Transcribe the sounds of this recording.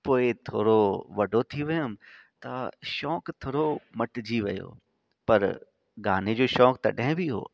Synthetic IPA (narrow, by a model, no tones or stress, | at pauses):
poːɪt̪ʰoːɾoʋɐɖʱot̪ʰiʋɐjʊm | t̪ɐ̰ʃɔːkt̪ʰoːɽomɐʈd͡ʑiʋɐ̰jo̰ː | pɐɾ | ɡaːn̤ed͡ʑoːʃɔːkt̪ɐ̰ɗɐ̃ɦɪ̃bʱiɦo̰ː